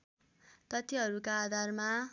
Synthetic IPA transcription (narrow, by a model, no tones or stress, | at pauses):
t̪ʌt̪iɦʌɾukaːd̪ʱarma